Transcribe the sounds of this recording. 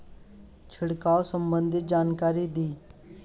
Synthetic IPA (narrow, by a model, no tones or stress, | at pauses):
t͡ʃʰəɽkaːosəmbənd̪ʱɪt̪̚d͡ʒaːnkaːɾiːd̪iː